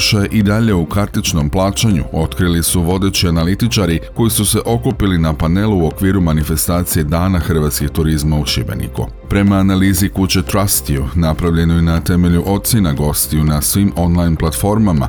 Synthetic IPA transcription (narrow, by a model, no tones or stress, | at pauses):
ʃajeʔid̪aʎe̞ukaɾt̪it͡ʃno̞mplˠaːt͡ʃaɲṵo̞t̪kɾilisuʋo̞d̪e̞t͡ɕianalit̪it͡ʃaɾiko̞jisuse̞ʔo̞kupilinapane̞luuo̞kʋiːɾumanife̞st̪aːt̪sije̞d̪aːnaxr̩ʋaːt̪skiɡt̪uɾizmauʃibe̞̰nḭkṵ | pɾe̞maːnaliːzikut͡ɕe̞t̪ɾast̪iunapɾaʋʎe̞nojenat̪e̞me̞ʎuʔo̞t̪t̪senaɡo̞st̪ijunasʋimo̞nlˠajnplat̪fo̞ɾmama̰